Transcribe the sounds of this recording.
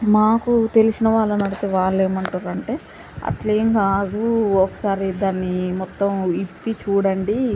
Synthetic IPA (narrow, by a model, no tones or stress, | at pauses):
maːkut̪e̞lisinɐʋaːɭːɐnɐɽit̪eːʋaːɭːe̞ːmɐɳʈuɾɐɳʈe̞ː | ɐ̰t̪ɐleːŋkaːd̪uɔkɐ̥saːɾid̪aːnːimɔt̪ːɐmipːit͡ʃuːɽɐɳɖi